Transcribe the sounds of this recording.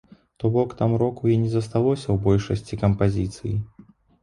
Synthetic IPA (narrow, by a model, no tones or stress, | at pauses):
t̪ɔbɔkt̪amɾɔkujɛnʲɛzɐs̬t̪alˠɔsʲɐwbɔlʲʂɐsʲt͡sʲikɐmpazʲit̪sɨji